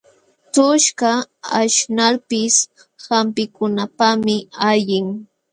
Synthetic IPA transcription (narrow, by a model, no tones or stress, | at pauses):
t̪ʊʃkaaʃnaɾpɪs | hampɪkʊnapamɪaʎɪŋ